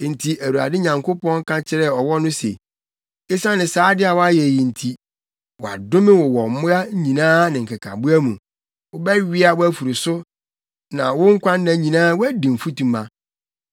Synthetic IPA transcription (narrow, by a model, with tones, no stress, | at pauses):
n̩˨tʰi˨ʔæ˨wu˨a̰˨dɪ˦ɲã˨ŋko˦pɔ̃˦ŋ˦kʰa˦t͡ɕʰɪ˦ɾɛ˦ɔ˨wɔ˦nʊ̃˦sḛ˨ | ɪ˦sã˦nɪ̃˨saː˨˦dɪ˦a˨wa˦jɛ˨ji˨n̩˨tʰi˦ | wɔ˨a̰˨dʊ̃˦mɪ̃˦wʊ˨wɔ˨˦mʊ˦a˦ɲ˦ɲĩ˨nãː˦nɪ̃˨ŋ̩˨kʰa˨kʰa̰˨bu˦æ˦mũ˨ | wʊ˦bɛ˦ɥɪ˦a˨wʊ˦æ˦fu˨ɾi˨sʊ˦ | nã˨wʊ˦ŋ̩˦kʷʰã˦n˦nã˨˦ɲĩ˨nãː˦wʊ˦æ˦dĩ˨m̩˨fu˦tũ˨mã˨